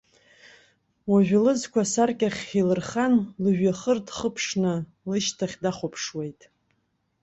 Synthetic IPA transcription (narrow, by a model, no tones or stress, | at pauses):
waʒᶣlɨzkʷʰasarkʲʼaχʲilɨrχanlɨʒᶣaχərdχəpʰʂnɨ | lɨʃtʰaχʲdaχʷʊpʰʂwejtʼ